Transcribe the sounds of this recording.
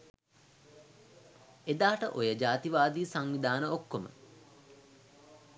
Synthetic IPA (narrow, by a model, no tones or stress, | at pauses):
ed̪aːʈəʔojəd͡ʒaːt̪iʋaːd̪iːsaŋʋid̪aːnəokːomə̰